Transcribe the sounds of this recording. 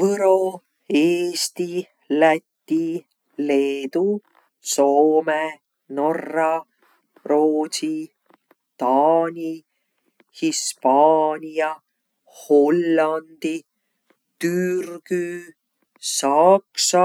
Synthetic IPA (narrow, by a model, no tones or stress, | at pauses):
vɤɾo̞ | eːst̪i | læt̪ʲːi | le̞ːd̪u | so̞ːme | no̞rːɑ | roːsi | t̪ɑːnʲi | hispɑːnʲijɑ | ho̞lːɑnd̪̥i | t̪yrɡ̥y | sɑksɑ